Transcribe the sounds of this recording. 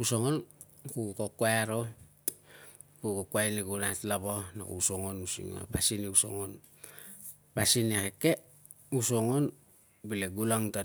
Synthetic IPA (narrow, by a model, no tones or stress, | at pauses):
usoŋon | kukokoaɾo | kukokwajnekunatlaβona̰kṵusoŋonusḭŋo̰pasineuso̰ŋon | pasinekeke | usoŋon | bileɡulaŋta